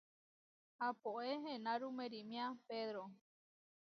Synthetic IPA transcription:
hapoʔeɦẽnãɾumeɾimĩãpeðɾo

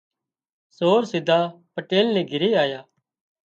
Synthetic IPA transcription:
soːɾsɪd̪ʱaːpəʈeːlnẽːɡʱɪɾeːaːjaː

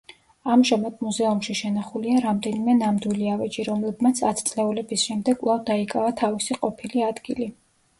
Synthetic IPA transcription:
amʒamad̪̚muzɛumʃiʃɛnaχuliaɾamd̪ɛnimɛnamd̪wiliavɛd͡ʒiɾɔmlɛbmat̪sʰat̪ʰt̪sʼlɛulɛbisʃɛmd̪ɛɡkʼvlˠavd̪aikʼavat̪ʰavisiqʼɔpʰiliad̪ɡili

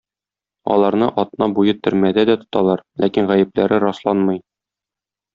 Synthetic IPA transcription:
ɒ̰lˠɑɾnɤʔɒt̪nɑbujɤt̪ɵ̆ɾmæd̪æd̪æt̪ŏ̥t̪ɑlˠɑɾlʔækinʁæjɘ̆plæɾɘɾɒslˠɑnmɤ̆j

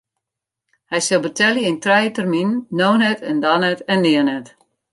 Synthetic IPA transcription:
hɛjsɪlˠbətɛljəintrɛjətərminːoːnɛtʰɛndanɛtɛnːɪənɛt

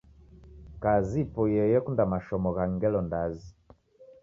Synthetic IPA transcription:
kazipɔjɛjɛkundamaʃɔmɔɣaŋɡɛlɔndazi

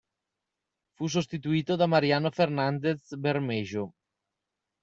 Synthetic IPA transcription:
fus̬ost̪it̪uiːt̪od̪amaɾianofeɾnand̪esbeɾmeʒo

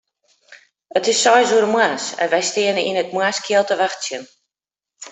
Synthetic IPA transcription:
ətɪsːɔjzuəɾəmwaːsɛ̰nʋɛjstɪənəʔinət̚mwaːskʰjiəlˠtəʋaxtsjən

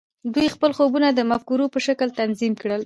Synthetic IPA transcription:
d̪ujxpəlxobunad̪əmafkuɾopəʃakəlt̪anzimkɽəl

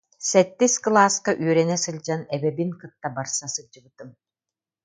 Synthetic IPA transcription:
sɛt̪ːisklˠaːskaʔyœɾɛnɛsɯlʲd͡ʑanɛbɛbiŋkɯt̪ːabaɾsasɯd͡ʑɯbɯt̪ɯm

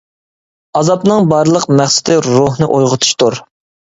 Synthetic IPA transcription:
ɑzɑpnɨŋbɑɾlˠəqmæχsɪ̥d̪ɪɾuɦnɨʔojʁʊt̪ʰu̥ʃt̪uɾ

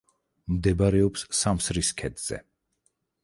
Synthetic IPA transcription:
md̪ɛbaɾɛɔpssamsɾiskʰɛd̪z̥ɛ̰

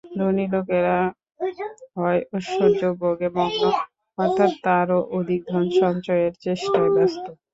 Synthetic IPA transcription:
ɾonilokeɾa | ɦɔeʔoʃod͡ʑoboɡeboŋ | ɔɾt̪ʰːat̪ːaɾoʔod̪ʱik̚d̪ʱɔnʃɔŋt͡ɕɔjeɾt͡ɕeʃʈaebast̪o

